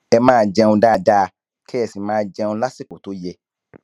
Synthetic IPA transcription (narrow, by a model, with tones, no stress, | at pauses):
ɛ˧mãː˦d͡ʒɛ˧ũ˧da˦˧˨da˦˧ | kʰɛ˦ɛ˦˨si˨mãː˦d͡ʒɛ˧ũ˧la˦si˦˨ko˨to˨˦jɛ˧